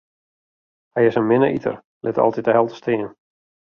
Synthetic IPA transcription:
hɛjɪsənmɪnə̰ʔḭtʰə̰r | lʔɪtɔ̰lˠtitəɦɛlˠtə̥stʰɪən

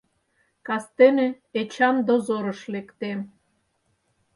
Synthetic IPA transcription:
kɑst̪ene | et͡ɕɑnd̪ozoɾɤ̆ʃlekt̪em

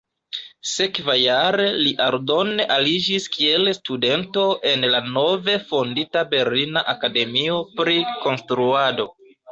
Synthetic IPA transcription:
se̞kvajaɾe̞liʔaɾdo̞neʔalid͡ʒiskie̞lstude̞nto̞ʔe̞nlano̞ve̞fonditabe̞ɾlinaʔakade̞mio̞pɾiko̞nstɾuado̞

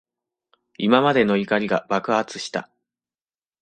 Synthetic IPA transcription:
imamad̪e̞no̞ikaɾʲiɡab̥akɯ̟ɦat͡sɨ̥ɕi̥t̪a̰

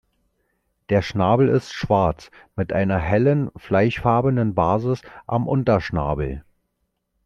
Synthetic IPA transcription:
d̥eːɐʃnaːbl̩ɪstʃv̥aɐt͡s | mɪtʔaɪnɐɦɛlənflaɪçfaɐbəndənbaːzɪsʔamʔʊntɐʃna̰ːbl̩

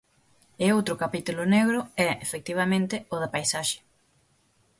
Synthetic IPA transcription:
ɪowt̪ɾʊkapit̪ulʊneɣɾʊɛefek̚t̪iβ̞amẽnt̪ɪʊðɪpajsaʃɪ̥

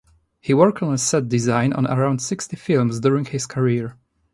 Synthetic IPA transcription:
hiwɔɹktɔ̃nəsɛt̚dɪzãɪ̃nɔ̰̃nə̰ɹãʊ̃ndsɪkstifɪlˠmzdʊɹɪ̃ŋhɪz̥kʰəɹiɹ

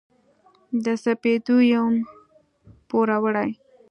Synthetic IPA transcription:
d̪əsaped̪ujawm | poɾawəɽaj

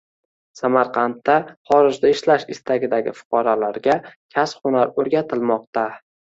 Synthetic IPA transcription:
samaɾqʰɑnt̪ːaχɒɾɪd͡ʒd̪aɪʃlaʃɪst̪aɡʲɪd̪aɡʲɪ̰fʊ̥qʰɒɾalaɾɡʲakʲʰasχʊnaɾɵɾɡʲat̪ʰɪlmɒq̚t̪a

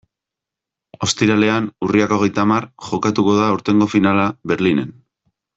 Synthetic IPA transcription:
o̞st̪iɾale̞anuriakoɣe̞jt̪amarʝo̞kat̪uko̞ðaːwɾt̪e̞ŋɡo̞finalaβe̞ɾline̞n

